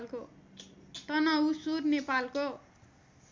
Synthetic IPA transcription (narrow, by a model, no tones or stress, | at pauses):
lko | t̪ʌnʌusurnepalko